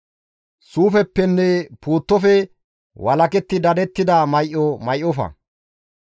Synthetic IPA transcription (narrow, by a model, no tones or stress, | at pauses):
suːfɛpːɛnːɛpuːt̪ːɔfɛ | wɐlɐkɛt̪ːɪd̪ɐd̪ɛt̪ːɪd̪ɐmɐjʔɔmɐjʔɔfɐ̰